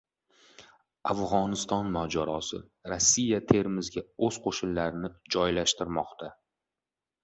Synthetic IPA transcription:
afʁɒnɪst̪ɒnmad͡ʒaɾɒsɪ̰ | ɾasːijat̪ʰe̞ɾmɪzɡʲaɵz̥qʰoʃʊnlaɾɪnɪd͡ʒɒjlaʃt̪ɪɾmɒqt̪ʰa

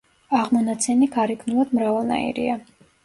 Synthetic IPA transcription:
aʁmɔnat̪sʰɛniɡaɾikʰnulˠad̪mɾavalˠna̰ḭɾḭa

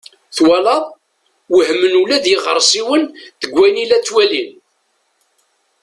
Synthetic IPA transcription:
θwælɑðˤ | wəhmənulæðjɪʁə̰ɾˤsˤiwənt̪əɡʷːæjnilæt͡sːwælin

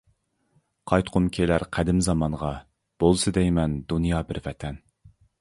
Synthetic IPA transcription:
qʰɑjt̪qʰʊmkʲʰelæɾqʰæd̪ɪmzɑmɑɴʁɑ | b̥olˠsɨd̪ɛjmɛnd̪unjɑːbɪɾvɛt̪ʰɛn

